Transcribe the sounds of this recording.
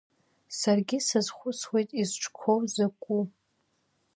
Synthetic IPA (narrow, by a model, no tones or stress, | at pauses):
sarɡʲisazχʷʊswe̞jtʼizʈ͡ʂʰkʷʰowzakʷʼu